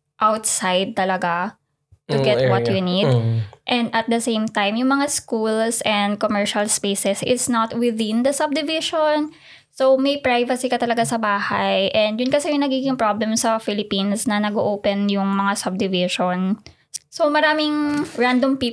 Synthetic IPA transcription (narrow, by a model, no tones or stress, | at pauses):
ʔawt̪̚sajd̪̚t̪ɐlɐɡa | t̪ʊɡɛt̪̚wɐt̪jʊnid̪ʔɛ̃nd̪ʔɐt̪̚d̪ɐsẽjmt̪ajmjʊŋmɐŋaskulsɛ̃nd̪̚komɛɹʃɐlspeːsɛsʔɪt̪snat̪wɪðɪ̃nd̪ɐsɐb̚d̪ɪvɪʃon | sowmɐjpɹajvɐsikɐt̪ɐlɐɡasɐbaːha̰jʔɛ̃nd̪jʊnkɐsɛjʊŋnɐɡiːɡɪŋpɹoblɛmsɐfɪlɪpinsnɐnɐɡoʔoːpɛnjʊŋmɐŋasɐb̚d̪ɪvɪʃon | somɐɾaːmɪŋɹãnd̪ompi